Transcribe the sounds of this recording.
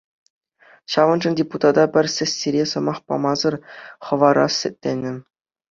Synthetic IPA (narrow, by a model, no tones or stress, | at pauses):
ɕɑʋɤ̆nʐɤ̆nʲdʲeput̪ɑd̪ɑbʲɘ̆rʲsʲɘ̆sʲːiɾʲesɤ̆mɑχpɑ̰mɑzɤ̆rχɤ̆ʋɑɾɑ̰sːʲɘ̆tʲːenʲːɘ̆